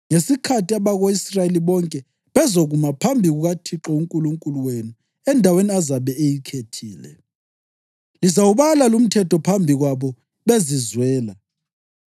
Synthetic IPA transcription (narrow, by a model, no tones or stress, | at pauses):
ŋesikʰatiaβaɣoisraeliβɔŋkʼɛ | βɛzoɣumapʰambʱiɣuɣatʰiǁɔuŋkʼuluŋkʼuluwenu | ɛndʱaweniazaβɛejikʰetʰiːlɛ̰ | lizawuβalalum̩tʰɛtʰɔpʰambʱiɣwaβɔ | βezizwɛːla